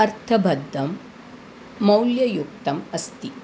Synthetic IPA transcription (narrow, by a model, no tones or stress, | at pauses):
ɐɾt̪ʰɐbʱɐd̪ʱːɐmː | ɐwljɐjuk̚t̪ɐmɐst̪i